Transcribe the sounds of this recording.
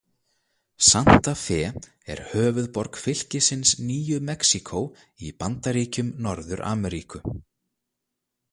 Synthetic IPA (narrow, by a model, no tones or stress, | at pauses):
san̥t̪afɛː | ɛ̰ɾ̥hœːvʏðpɔɾkfɪl̥cɪsɪnsniːjʏmɛksikʰow | ipant̪aɾiːcʏmnɔɾðʏɾʔa̰ːmɛɾiːkʏ